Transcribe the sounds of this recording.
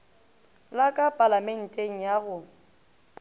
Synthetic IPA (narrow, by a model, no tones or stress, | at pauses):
lakʼapʼalamɛn̩tʼeŋ̩jaɣʊ